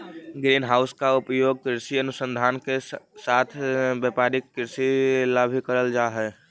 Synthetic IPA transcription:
ɡɾiːnɦaːʊskaʊpjoːɡ̚kɾɪɾsiənʊsə̃nd̪ʱaːnkesaːt̪ʰbepaːɾɪkkɪɾsilabʱikəɾəld͡ʒaːɦɛː

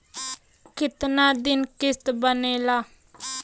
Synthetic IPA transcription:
kɪt̪naːd̪ɪnkɪst̪bəneːlaː

